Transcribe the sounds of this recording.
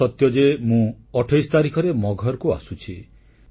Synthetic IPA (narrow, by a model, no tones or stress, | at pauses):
ɔt̪jɔd͡ʒemũ | ɔʈʰɔjst̪aɾikʰɔɾemɔɡʱɔɾkua̰sut͡ʃʰi